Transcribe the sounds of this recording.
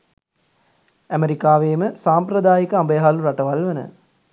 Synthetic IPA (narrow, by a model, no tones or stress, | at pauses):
æmeɾikaːʋeːməsaːmpɾɐd̪aːjikəambəjɐɦaluɾaʈəʋalʋenə̰